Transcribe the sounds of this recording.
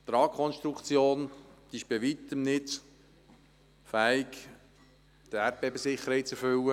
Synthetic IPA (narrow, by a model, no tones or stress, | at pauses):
t̪ɾɑːkʰɔnʃt̪ɾukt͡sjoːnd̪̥iɪʃb̥ɛʋit̪əmnɪt | fæɪk | d̪̥æɾpbebəsɪχəɾhɛɪt͡sɛɾfʏwə